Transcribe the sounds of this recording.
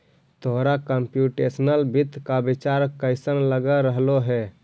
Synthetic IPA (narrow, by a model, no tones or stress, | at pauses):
t̪oɦɾakəmpjuʈesnəlbit̪ːkabit͡ʃaɾkəɪsənləɡəɾəɦloɦɛ